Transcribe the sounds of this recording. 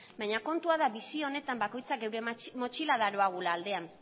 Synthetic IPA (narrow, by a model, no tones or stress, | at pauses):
bajɲako̞nt̪uaðaβisio̞ne̞t̪ambako̞jt͡sake̞wɾe̞mo̞t͡ʃilaðaɾo̞aɣulaːld̪e̞an